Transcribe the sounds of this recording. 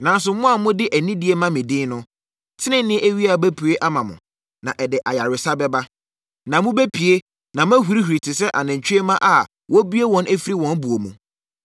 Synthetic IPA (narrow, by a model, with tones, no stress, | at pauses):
nã˨n˦s̬ʊ˨˦mʊ̃˦a˨mʊ̃˦dɪ˦ʔæ˨nĩ˦dɪ˨˦e˦mã˦mɪ̃˨dɪ̃ː˦nʊ̃˦ | tʰɪ˦nɪ̃˦nɪ̃˦æ˦ɥi˦a˨bæ˦pʰu˨e˦ʔa˦mã˨mʊ̰̃˨ | nã˨ʔɛ˨dɪ˨ʔa˨ja˨ɾɪ˨sa˦bɛ˦ba˦ | nã˨mʊ̃˦bæ˦pʰi˨e˦ | nã˨m˦æ̃˦ɦu˨ɾi˦hu˨ɾi˨tʰɪ˨sɛ˦ʔa˨nɪ̃˨ɲ̩˨t͡ɕʰᶣe˦mã˦ʔa˨ | wɔ˦bi˦e˦wɔ̃˦nʔæ˦fi˦ɾi˦wɔ̃˨˦nbu˨o˨mũ˨